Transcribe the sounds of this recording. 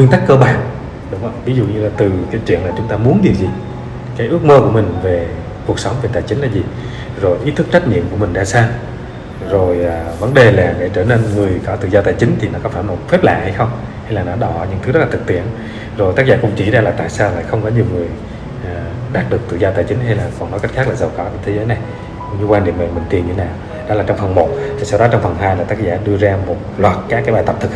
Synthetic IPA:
kwi˧ənt̪a˦˥kːəː˧ɓaː˨˩n | ɗʊ˨˦ŋ͡mʔə˧wvi˨˦zṵ˧˨ɲɨ˧laː˨˩t̪ɨ˨˩ka˨˦t͡ɕḭ˧˨ənlaː˨˩t͡ɕʊ˨˦ŋ͡mt̪aː˧mu˨˦ənɗi˨˩əwzi˨˩ | kaː˨˦jʔɨ˦˥ək̚məː˧ku˧˩əmï˨˩ŋ̟ve˨˩ | ku˨˩ək̚sə˨˦wŋ͡mve˨˩t̪aː˧˩jt͡ɕï˨˦ŋ̟laː˨˩zi˨˩ | zo˨˩jʔi˨˦t̪ʰɨ˦˥k̚t͡ɕa˦˥j̟̚ɲḭ˧˨əmku˧˩əmï˨˩ŋɗa̰ː˧˦saː˧w | zo˨˩jːvə˨˧˦nɗe˨˩laː˨˩ɗe˧˩˦t͡ɕəː˧˩ne˧nŋɨ˨˩əjkɔ˨˦t̪ɨ̰˧˨zɔː˧t̪aː˧˩jt͡ɕï˨˦ŋ̟t̪ʰi˨˩nɔ˨˦kɔ˨˦faː˧˩no˨˩t̚fɛ˦˥p̚la̰ː˧˨ha˧jxə˧wŋ͡m | ha˧jlaː˨˩nɔ˨˦ɗɔ˧˩ɲɨ̰˧˥ŋt̪ʰɨ˨˦zə˦˥t̚lːaː˨˩ɨ˨˩k̚t̪ḭ˧˩˨ən | zo˨˩jt̪aː˦˥zaː˧˩kʊ̰˧˥ŋ͡mt͡ɕi˧˩zaː˧laː˨˩t̪a̰ː˧˨jsaː˧wla̰ː˧˩jxə˧wŋ͡mkɔ˨˦ɲi˨˩əwŋɨ˨˩əj | ʔː | ɗaː˦˥k̚ɗɨ˨˩ək̚t̪ɨ̰˧˨zɔ˧t̪aː˧˩jt͡ɕï˨˦ŋ̟ha˧jlaː˨˩kɔ˨˩nːɔ˨˦kjk̚xaː˦˥k̚laː˨˩zə˨˩wkɔ˧˩t͡ɕːt̪ʰe˧˦zəː˨˦jna˨˩j | kŋ͡mɲɨ˧kwa˧nɗḭ˧əmḛ˨˩mï˨˩ŋ̟t̪i˨˩nɲɨ˧˩naː˨˩w | ɗɔ˨˦laː˨˩t͡ɕɔ˧wŋ͡mfə˨˩nmo˨˩t̚t̪ʰi˨˩sɔː˧wɗɔ˨˦t͡ɕɔ˧wŋ͡mfə˨˩nɦaː˧jlaː˨˩t̪aː˦˥k̚zaː˧˩ɗɨ˧əzaː˧mo˨˩t̚lwaː˨˩t̚kaː˦˥kaː˨˦jɓaː˨˩jt̪ə˨˩p̚t̪ʰɨ˨˩k̚

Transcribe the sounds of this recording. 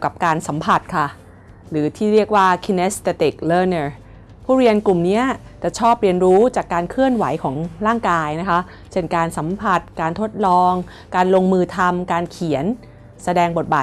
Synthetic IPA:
wka˨˩p̚kaː˧nsa˩˦mpʰa˨˩t̪̚kʰa˥˩ | ɾɯː˩˦t̪ʰiː˥˩ɾi˥˩ək̚waː˥˩kʰi˧ne˦˥st̪e˧˥t̪i˨˩k̚lɤː˧˩nəː˧˩ | pʰuː˥˩ɾi˧ənklu˨˩mni˦˥ɐt͡ɕa˨˩t͡ɕʰɔː˥˩p̚ɾi˧ənɾuː˦˥t͡ɕaː˨˩kːaː˧nkʰɯ˥˩ənwa˩˦jkʰɔː˩˦ŋɾaː˥˩ŋkaː˧jna˦˥kʰa˦˥ʔ | t͡ɕe˧˩nkaː˧nsa˩˦mpʰa˨˩t̪̚kaː˧nt̪ʰo˦˥t̪̚lɔː˧ŋ | kaː˧nlo˧ŋmɯː˧t̪ʰa˧mkaː˧nkʰi˩˦ən | sa˧dɛː˧ŋbo˨˩t̪̚baː˨˩t̪̚

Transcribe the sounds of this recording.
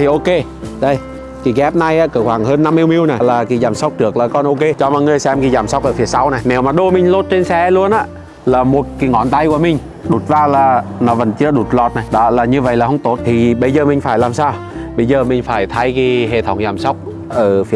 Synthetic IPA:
t̪ʰi˨˩ʔo˧ke˧ | ɗə˧j | ki˨˩kɛ˦˥p̚na˧jʔaː˧˦kɨː˧˩hwaː˧˩ŋhəː˧nːa˧mːi˧wmi˧əwna˨˩laː˨˩ki˨˧˩zaː˨˩msa˦˥wk͡p̚ɗɨ˨˩ək̚laː˨˩kɔ˧nʔo˧ke˧t͡ɕɔ˧mɔ̰˧˨jŋɨ˨˩əjsɛ˧mki˧˩zaː˨˩msa˦wk͡p̚ʔəː˧˩fi˨˩əsa˨˦wna˨˩jne˨˦wmaː˨˩ɗo˧mï˨˩ŋ̟lo˦˥t̚t͡ɕe˧nsɛ˧˦lu˧ənʔaː˧˦ | laː˨˩mo˨˩t̚ki˨˦ŋɔ˧˨nt̪a˧jku˧˩əmï˨˩ŋ̟ | ɗu˨˩t̚vaː˧laː˨˩nɔ˨˦və˨˩nt͡ɕɨ˧˦əɗu˨˩t̚lɔ˨˩t̚na˨˩jɗɔ˨˦laː˨˩ɲɨ˧və̰˧˨jlaː˨˩hə˧wŋ͡mt̪o˨˦˥t̚t̪ʰi˨˩ɓə˧jzəː˨˩mï˨˩ŋ̟faː˧˩jlaː˨˩msaː˧w | ɓə˧jzəː˨˩mï˨˩ŋ̟faː˧˩jt̪ʰa˧˦jki˧˦ɦḛ˧˨˩t̪ʰə˧˩wŋ͡mzaː˨˩msa˦˥wk͡p̚ | ʔəː˧˩fi˨˩ə

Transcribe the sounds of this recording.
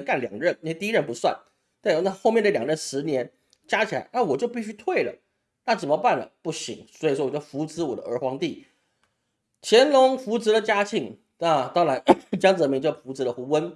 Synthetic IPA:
ka˥˩nljɑ̰˨˩ŋɻə˥˩n˥˧we˧t̪i˥˧˥ɻə˥˧npu˧˥swa̰˥˩n | t̪a˥˧˩na˥˧xo˥˧ʊmjɛ˥˩nd̪ə˩ljɑ˨˩ŋɻə˥˩nʂɻ̩˧˥njɛ˧˥n | t͡ɕja˥t͡ɕʰi˨˩la̰˧˦ɪna˥˩wɔ˨˩t͡ɕjo˥˧ʊpi˥˧ɕy˥˧t̪ʰwe˥˩ɪlə̰˩ | na˥˩t͡sə˨˩mə˦pa˥˩nlə̰˩pu˥˩ɕḭ˧˥˦ŋswɔ˧˥i˨˩ʂwɔ˥wɔ˨˩jo˥˩ʊfu˧˥t͡sɹ̩˧˥wɔ˨˩d̪ə˦ə˞˧˥xwɑ˧˥ŋt̪i˥˩ | t͡ɕʰjɛ˧˥nlʊ˧˥ŋfu˧˥t͡sɹ̩˧˥lə˨t͡ɕja˥t͡ɕʰi˥˩ŋ | na˥˩t̪ɑ˥ŋɻa˧˥nt͡ɕjɑ˥ŋt͡s̩˨˩ə˧mi˧˥ŋt͡ɕjo˥˩ʊfu˧˥t͡sɹ̩˧˥lə˧xu˧˥wə˦˥n

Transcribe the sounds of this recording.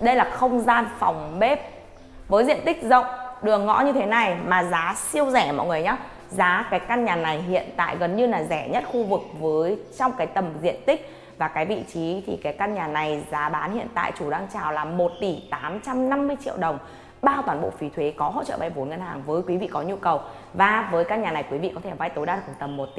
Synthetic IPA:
ɗə˧jlaː˨˩xə˧wŋ͡mzaː˧nfa˨˩wŋ͡mɓe˦˥p̚ | vəː˨˦jzḭ˧˨ənt̪ï˦˥k̟̚zə̰˧˨wŋ͡mɗɨ˨˩əŋːɔ̰˧˥ɲɨ˧t̪ʰe˨˦na˨˩jmaː˨˩zaː˨˦si˧əwzɛ˧˩mɔ̰˧˨jŋɨ˨˩əjɲaː˨˦ | zaː˨˦kaː˨˦jka˧nɲaː˨˩na˨˩jɦḭ˧˨ənt̪a̰ː˧˨jɣə˨˩nɲɨ˧laː˨˩zɛ˧˩ɲə˦˥t̚xu˧vɨ˨˩k̚vəː˨˦jt͡ɕɔ˧wŋ͡mkaː˨˦jt̪ə˨˩mzḭ˧˨ənt̪ï˦˥k̚ | vaː˨˩kaː˨˦jvḭ˧˨t͡ɕi˨˦t̪ʰḭ˨˩kaː˨˦jkaː˧nɲaː˨˩na˨˩jzaː˨˦ɓaː˨˦nhḭ˧˨ənt̪a̰ː˧˨jt͡ɕu˧˩ɗaː˧ŋt͡ɕaː˨˩wlaː˨˩mo˨˩t̚t̪i˧˩t̪aː˨˦mt͡ɕa˧mna˧mːɨ˧əjt͡ɕḭ˧əwɗə˨˩wŋ͡m | ɓaː˧wt̪waː˧˩nɓo̰˧˨fi˨˦t̪ʰwe˨˦kɔ˨˦ɦo̰˧˨t͡ɕə̰ː˧˨ɓa̰˧˨jvo˨˦nŋə˧nhaː˨˩ŋvəː˨˦jkwi˨˦vḭ˧˨kɔ˨˦ɲu˧kə˨˩w | vaː˨˩vəː˨˦jkaː˧nɲaː˨˩na˨˩jkwi˨˦vḭ˧˨kɔ˨˦t̪ʰe˧˩va˧jt̪o˨˦jɗa˧˨˩t̪ə˨˩mːo˨˩t̚t̪i˧

